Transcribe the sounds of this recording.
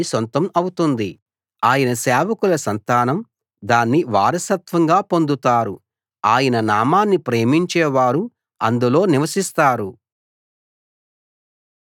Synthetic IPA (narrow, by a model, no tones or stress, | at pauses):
isont̪ɐmɐwut̪und̪i | aːjɐnɐsɛːʋɐkulɐsɐnt̪aːnɐm | d̪aːnːiʋa̰ːɾɐsɐt̪ʋɐŋɡaːpo̞nd̪ut̪aːɾṵ | aːjɐnɐnaːmaːnːipɾe̞ːmiɲt͡ʃɛːʋaːɾu | ɐ̰nd̪ulo̞ːniʋɐsist̪aːɾu